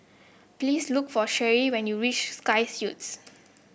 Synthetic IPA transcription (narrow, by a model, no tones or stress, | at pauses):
pliːslukfɔʃɛɹiwɛ̃njuɹit͡ʃskajsjuts